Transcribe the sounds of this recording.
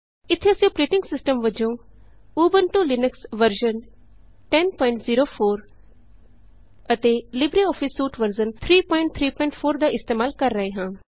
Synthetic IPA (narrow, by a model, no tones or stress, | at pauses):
ɪt̪ʰːeəsjõːpɾeːʈɪ̃ŋɡsɪsʈəmʋəd͡ʒõː | uːbənʈoːlɪnəksʋəɾd͡ʒən | ʈɛnpɔːɪ̃ɳʈziːɾoːpʰoːɾ | ət̪eːlɪbɾiɔːpʰɪsːuːʈʋəɾd͡ʒənt̪ʰɾiːpɔ̃ːɪ̃ɳʈ̚t̪ʰɾiːpɔɪ̃ɳʈpʰoːɾd̪aːʔɪst̪eːmaːlkəɾːəɦẽːɦãː